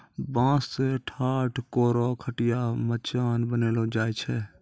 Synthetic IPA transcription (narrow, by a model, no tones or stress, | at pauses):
bãːsːeʈʰaːʈʰkoːɾɔkʰəʈɪjamət͡ʃaːnbəneːlod͡ʒaːjt͡ʃʰɛ